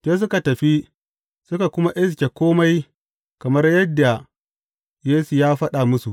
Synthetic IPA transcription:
teː˦s̬ʊ˦ka˨tɐ˨ɸi˦ | sʊ˦ka˨kʷʊ˦ma˦ʔɪ˦s̬kʲe˨kʷoː˦ma˦j | kɐ˨mɐ˦rjɐ˦dːa˨ | jeː˦su˨jaː˦ɸɐ˦ɗa˨mʊ˦su˨ʔ

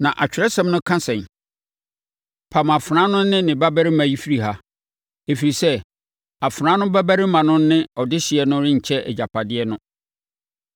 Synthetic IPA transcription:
nã˨ʔa˨t͡ɕᶣɾɛ˦sɛ̃˦˨mnʊ̃˦kʰã˦sɛ̃˨n | pʰa˨ma˨fɾãː˦nʊ̃˦nɪ̃˦nɪ̃˨ba˦bæ˦ɾɪ˦mã˨ji˦fi˦ɾi˨ɦa˦ | e˨fi˨ɾi˨sɛ˦ | a˨fɾã˨˦nʊ̃˦bæ˦bæ˦ɾɪ˦mã˨nʊ̃˦nɪ̃˦ɔ˨dɪ˦ɕɪ˨ɛ˨nʊ̃˦ɾɪ̃˦ɲ̩˨t͡ɕʰɛ˦ʔɛ̰˨d͡ʑa˨pʰa˨dɪ˦ɛ˦nʊ̃˦

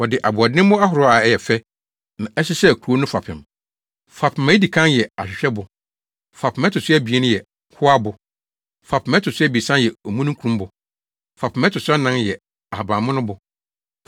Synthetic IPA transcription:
wɔ˨dɪ˨ʔa˨bʊ˨ɔ˨dnɪ̃˦m˦mʊ̃˦a˦ɦʊ˨ɾɔ˦a˨˦jɛ˨fɛ˦ | nã˨ʔɛ˦sɪ˦sɛ˦˨kʰu˨˦o˦nʊ̃˦fa˨pʰɪ̃˨m | fa˨pʰɪ˨mã˨˦i˦di˨kʰã˦njɛ˨a˨ɕᶣɪ˨ɕᶣɛ˦bʊ˨ | fa˨pʰɪ˨mɛ˦tʰʊ˨sʊ˦ɛ˦bi˨e˦nʊ̃˦jɛ˨˦ | kʰʊ˦a˦bʊ˨ | fa˨pʰɪ˨mɛ̃˦tʰʊ˨sʊ˦ɛ˦bi˨sã˦njɛ˨o˨mũ˦nʊ̃˦ŋ˦kʰɾũ˦m˦bʊ˨ | fa˨pʰɪ˨mɛ˦tʰʊ˨sʊ˦a˦nã˦njɛ˨ | a˨a˨bã˨mʊ̃˦nʊ̃˦bʊ˨

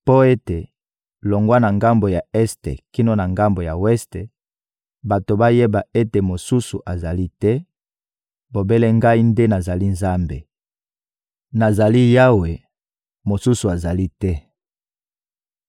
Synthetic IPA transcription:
po˦e˦te˨ | lo˨ŋɡwa˦na˨ŋɡa˦mbo˨ja˨ɛ˦stḛ˨ki˦no˦na˨ŋɡa˦mbo˨ja˨wɛ˦ste˨ | ba˨to˨ba˦je˦ba˨e˦te˨mo˨su˦su˨ʔa˨za˨li˦tɛ˦ | bo˨be˦le˦ŋɡa˦i˦nde˦na˨za˨li˦nza˦mbḛ˨ | na˨za˨li˦ja˦we˨ | mo˨su˦su˨a˨za˨li˦tɛ˦

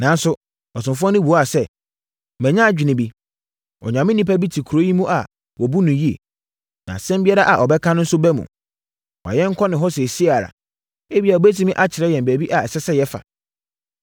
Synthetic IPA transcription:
nã˨n˦sʊ˦ | ɔ˨s̬ʊ̃˨fʊ˦ɔ̃˦nɪ̃˦bu˨ɔ˦a˨sɛ˦ | mɛ̃˨ɲã˦˨d͡ʑᶣi˨nɪ̃˨bi˦ | ɔ̰˨ɲ˨ã˨mɪ̃˦nĩ˦pa˦bi˦tʰi˨kʰɾo˦ji˦mũ˦ʔa˨ | wɔ˨bu˦nʊ̃˨ji˦ḛ˨ | nã̰˨sɛ̃˦m˦bi˦ɛ˦ɾa˦ʔa˨ʔɔ˨bɛ˦kʰã˦nʊ̃˦n̩˦sʊ˦bæ˦mṵ̃˨ | wɔ̰˨jɛ̃˦ŋ̩˦kʰɔ˦nɪ̃˨ɦɔ˦sɛ˨si˦a˨ɾa̰˨ | e˦bi˨a˨ɔ˨bæ˦t̬ʰi˦mĩ˦ʔa˦t͡ɕʰɪ˨ɾɛ˦jɛ̃˨m̩bæ˨bi˦ʔa˨ɛ˨sɛ˦sɛ˦jɛ˦fa̰˨

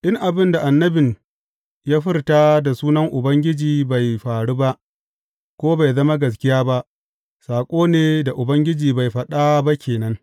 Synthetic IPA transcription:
ɗɪ˦ŋʔa˨bɪ˦nda˨ʔa˨nːɐ˦bɪ˨n | jaː˦ɸɪ˦rtaː˦da˨suː˦nɐ˦ŋʔʊ˨bɐ˦ŋɡʲɪ˦d͡ʒiː˨ba˨jɸaː˨ɽu˦ba˦ʔ | kʷoː˦ba˨jzɐ˦ma˦ɡɐ˨s̬kʲɪ˦jaː˦ba˦ʔ | saː˨kʷʼoː˦neː˨da˨ʔʊ˨bɐ˦ŋɡʲɪ˦d͡ʒiː˨ba˨jɸɐ˨ɗa˦ba˦kʲeː˨nɐ˦ŋ

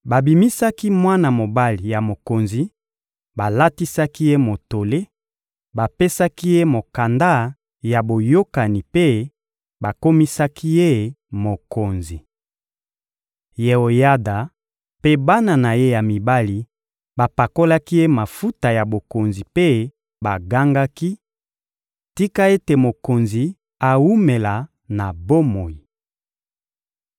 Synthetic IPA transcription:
ba˨bi˨mi˦sa˦ki˦mwa˦na˨mo˨ba˦li˨ja˨mo˨ko˨nzi˦ | ba˨la˦ti˦sa˦ki˦je˦mo˨to˨le˦ | ba˨pe˦sa˦ki˦je˦mo˨ka˨nda˦ | ja˨bo˨jo˦ka˨ni˨pe˦ | ba˨ko˦mi˦sa˦kʰi˦je˦ | mo˨ko˨nzi˨ | je˨o˨ja˦da˨ | pe˦ba˦na˨na˨je˦ja˨mi˨ba˦li˨ | ba˨pa˨ko˦la˦ki˦je˦ma˨fu˦ta˨ja˨bo˨ko˨nzi˨pe˦ | ba˨ɡa˦ŋɡa˦ki˦ | ti˦ka˦e˦te˨mo˨ko˨nzi˨ | a˨wu˦me˨la˨ | na˨bo˦mo˨i˨

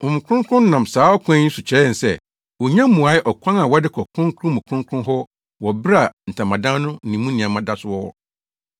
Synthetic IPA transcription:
ɔ˨mũ˨kʰʊ̃˦ŋkʰʊ̃˦n˦nã˨msaː˨˦ɔ˦kʰã˦ɲĩ˦su˨t͡ɕʰɛ˨˦ɛ˨n̩˨sɛ̰˨ | wɔ˨ɲã˦m̩˦mũ˨a˨˦ɪ˦ʔɔ˨kʰʷã˦na˨wɔ˦dɪ˦kʰɔ˨kʰɾʊ̃˦kʰʊ̃˦mũ˨kʰʊ̃˦ŋkʰʊ̃˦ɦɔ˦ | wɔ˨bɾa˨n̩˨tʰã˨mã˨dã˦nʊ̃˦n̩˨nĩ˨˦mũ˦nĩ˨ã˨mã˦da˦sʊ˦wɔ˦ɔ̰˦

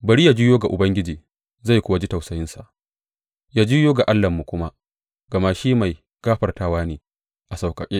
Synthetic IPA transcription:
bɐ˨ɾi˦ja˨d͡ʒi˦joː˦ɡa˨ʔʊ˨bɐ˦ŋɡʲɪ˦d͡ʒiː˨ | za˦˨jkʷʊ˦wa˦˨d͡ʒi˦ta˨wsɐ˨jɪ˦nsa˨ʔ | jaː˦d͡ʒiː˦joː˦ɡa˨ʔa˦lːɐ˨mːu˨kʷʊ˦ma˦ | ɡɐ˨ma˦ʃiː˦ma˨j | kaː˦ɸɐ˨rtaː˦waː˦neː˨ | ʔa˨sa˨wkʼɐ˨kʲʼeː˦

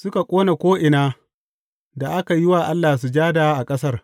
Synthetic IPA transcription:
sʊ˦ka˨kʷʼoː˦na˨kʷoː˦ʔɪ˨naː˦ | da˨ʔa˦ka˨jɪ˦waː˨ʔa˦lːaː˨s̬u˨d͡ʒaː˦daː˨ʔa˨kʼɐ˦sɐ˦r

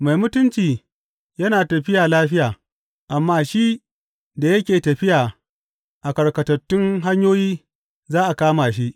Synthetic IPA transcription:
ma˨jmʊ˦tʊ˦nt͡ʃiː˨ | jɐ˦naː˨tɐ˨ɸɪ˦jaː˨laː˦ɸɪ˦jaː˨ | ʔa˨mːaː˦ʃi˦ | da˨jɐ˦kʲeː˨tɐ˨ɸɪ˦jaː˨ | ʔa˨kɐ˨ɽkɐ˨tɐ˨tːʊ˦ŋɦa˦ɲjoː˦jiː˦ | zaː˦ʔa˨kaː˦maː˨ʃi˦ʔ

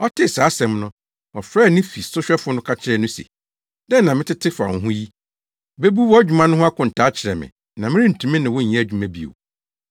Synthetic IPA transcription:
ɔ˦tʰɪ˦saː˨˦sɛ̃˨mnʊ̃˦ | ɔ˨fɾɛː˦˨nɪ̃˦fi˨sʊ˦ɕᶣɛ˦fʊ˦nʊ̃˦kʰa˦t͡ɕʰɪ˦ɾɛ˦nʊ̃˦sḛ˨ | dɛ̃˦nã˨mɪ̃˦tɪ˦tʰɪ˦fa̰˨ŋ̩˨ɦʊ̃˦ji˦ | be˦bu˦wɔ˦æ˦d͡ʑᶣu˨mã˦nʊ̃˦ɦʊ̃˦a˦kʰʊ̃˨n̩˨tʰa˨˦t͡ɕʰɪ˨ɾɛ˨mɪ̰̃˨ | nã˨mɪ̃˦ɾɪ̃˦n̩˨tʰũ˨mĩ˦nɪ̃˨wʊ̃˦ɲ̩˨ɛ̃˦æ˨d͡ʑᶣu˨mã˦bi˨o̰˨

